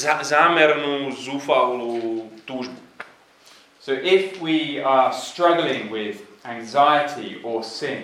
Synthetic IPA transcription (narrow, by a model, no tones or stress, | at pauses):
zamɛɾnuzufalud̪̥uʒ | soʊʔɪfwiəstɹ̥ʌɡl̩ɪ̃ŋwɪðæ̃ŋzaɪətʰḭəsɪ̃n